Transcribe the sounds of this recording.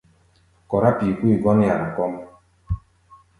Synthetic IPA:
kɔ˨ɾa˦pi˨kʷu˦i˨ɡɔ˦n˦ja˨ɾa˨kɔ˦m˦

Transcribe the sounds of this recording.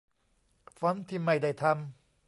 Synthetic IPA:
fɔ˨˦nt̪ʰiː˧˩ma˧˩jda˧˩jt̪ʰa˧m

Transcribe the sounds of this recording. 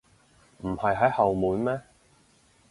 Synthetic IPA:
m̩˨˩hɐ˨jɦɐ˨˥jhɐ˨wmuː˨˥nmɛː˥

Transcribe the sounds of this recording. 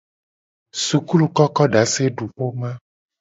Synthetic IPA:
su˨ku˦lu˨kɔ˦kɔ˦ɖa˨˦se˦ɖu˨ɸo˦mã˦

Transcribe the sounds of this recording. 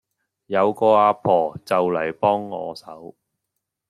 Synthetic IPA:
jɐ˨˧wkɔː˧aː˧pʰɔː˨˩t͡sɐ˨wlɐ˨˩jpɔː˥ŋːɔ̰ː˨˧sɐ̰˨˥w

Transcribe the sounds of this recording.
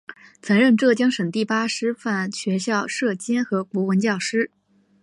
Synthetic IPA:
t͡sʰɤ˧˥nɻə˥˧nʈ͡ʂɤ˥˩t͡ɕjɑ˥ŋʂə˨˩ŋt̪i˥˩pa˥ʂɻ̩˥fa˥˩nɕɥɛ˧˥ɕjɑ˥˧ʊʂɤ˥˩t͡ɕjɛ˥nxɤ˧˥ku˧˥wə˧˥nt͡ɕjɑ˥˩ʊʂɻ̩˥

